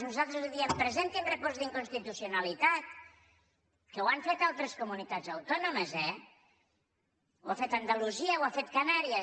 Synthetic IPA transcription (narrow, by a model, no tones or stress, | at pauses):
nuzalˠt̪ɾəzuðiəmpɾəzent̪inrəpɔzd̪iŋkunst̪it̪usiunalit̪at̪̚ | kəwaɱfet̪alˠt̪ɾəskumunit̪ad͡zawt̪ɔnoməzɛ | wafet̪and̪aluziəwafet̪kanaɾiə